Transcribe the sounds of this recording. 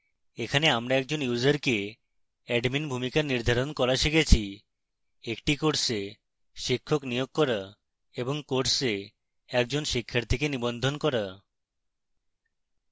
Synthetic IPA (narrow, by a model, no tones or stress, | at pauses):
ekʰaneamɾaɛk̚d͡ʑonjud͡ʑaɾke | ɛɖminbʱumikaɾniɾd̪ʱaɾonkɔɾaʃekʰet͡ɕʰi | ekʈikoɾse | ʃikʰːoknijoɡ̚kɔɾa | eboŋkoʈse | ɛk̚d͡ʑonʃikʰːaɾt̪ʰikenibond̪ʱonkɔɾa